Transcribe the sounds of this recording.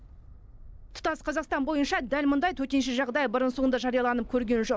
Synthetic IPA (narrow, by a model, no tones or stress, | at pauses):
t̪ʰʊ̥t̪ɑsqʰɑzɑqst̪ɑnbo̞jənʃɑd̪ælmʊnd̪ɑjt̪ʰɵt̪e̞nʃ̬ɪʒɑʁd̪ɑjəbəɾənsond̪ɑʒɑɾijɑlˠɑnəp̚kʲʰɵɾɡʲe̞nʒo̞q